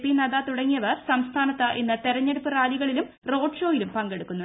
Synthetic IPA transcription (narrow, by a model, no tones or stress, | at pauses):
pːinɐðaːt̪uɽɐŋːijɐʋɐrsɐmst̪ʰaːnɐt̪ːɐʔḛnːɨt̪eɾɐɲːeɽupːɨraːliɣɐɭilum | ro̞ːɖʂo̞ːjilumpɐŋɡe̞ɽukːunːu